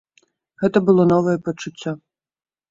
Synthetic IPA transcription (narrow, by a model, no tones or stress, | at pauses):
ɣɛt̪ɐbɨlˠɔnɔvɐjɛpɐt͡ʂut͡sʲːɔ